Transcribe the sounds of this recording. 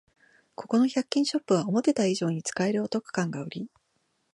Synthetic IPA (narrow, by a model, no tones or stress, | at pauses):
kʰo̞ko̞no̞çʲakʲːĩɰ̃ɕo̞pːɯ̟β̞aomo̞t̪e̞t̪aiʑo̞ːɲ̟it͡sɨ̥kae̞ɾɯ̟ot̪o̞kɯ̟̥kãŋɡaoɾʲi